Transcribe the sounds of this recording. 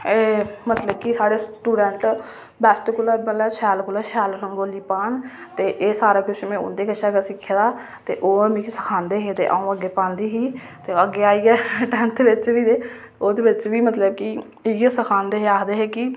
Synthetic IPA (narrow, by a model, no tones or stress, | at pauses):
eːmət̪ləb̚kisaːɽeːsʈuːɖɛɳʈ | bɛːsʈkʊlaːməlaʃɛːlkʊlaːʃɛːlɾəŋɡoːliːpaːnt̪eːʔeːsaːɾaːkʊʃmẽʊ̰nd̪eːkəʃaːkasɪkʰːd̪aː | t̪ḛːʔoːəmĩksə̥kʰaːnd̪eːɦeːt̪ḛːʔa̰ːũːəɡeːpãːnd̪iːɦiː | t̪eːəɡːeːaːiːɛːʈɛ̃ːnt̪eʋɪt͡ʃʋiːd̪eː | oːd̪eːʋɪt͡ʃʋiːmət̪ləb̚ki | jesəkʰaːnd̪eːɦeːaːkd̪eːɦɛːki